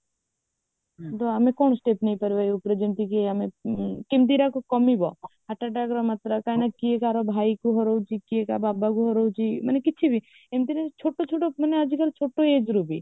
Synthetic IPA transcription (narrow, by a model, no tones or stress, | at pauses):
t̪oamekonsʈepnejpəɾbajupɾed͡ʒimt̪ikiamekemt̪̬iɾakɔkɔmibɔ̰ɦaʈːaʈ̬akɾɔmat̪ɾakajnakiekaɾɔbʱajkuɦɔɾɔwt͡ʃʰikiekababakuɦɔɾɔwt͡ʃʰimɐnekit͡ʃʰibʱi | emt̪̬inet͡ʃʰoʈːot͡ʃʰoʈoməneəd͡ʒikəɾt͡ʃʰoʈːoed͡ʒɾubi